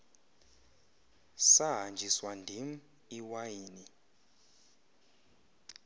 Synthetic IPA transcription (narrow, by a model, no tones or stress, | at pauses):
saɦand͡ʒʱiswandʱim̩ | iwajiːni